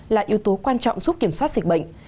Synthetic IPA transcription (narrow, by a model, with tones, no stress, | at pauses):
laː˨˩ʔi˨əwt̪o˨˦kwaː˧nt͡ɕɔ̰˧˨wŋ͡mzu˦˥p̚ki˧˩əmswaː˦˥t̚zi˨˩k̚ɓə̰˧˨jŋ̟